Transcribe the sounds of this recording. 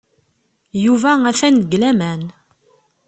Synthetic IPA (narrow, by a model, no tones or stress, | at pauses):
juvææθænəɡlæmæn